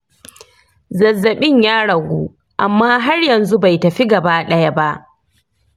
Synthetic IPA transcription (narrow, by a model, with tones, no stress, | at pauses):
zɐ˨zːɐ˨ɓɪ˦ɲjaː˦ɽɐ˨ɡʷṵː˦ | ʔa˨mːaː˦ɦa˦rjɐ˨nzu˦ba˨jtɐ˨ɸi˦ɡɐ˨baː˦ɗɐ˦jɐ˦ba˦ʔ